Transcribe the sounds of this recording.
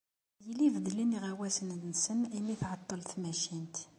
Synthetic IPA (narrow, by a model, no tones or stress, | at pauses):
jəlivd̪liniʁæwæsənnsənimiθʕɑt̪ˤːəlt̪mæʃint̪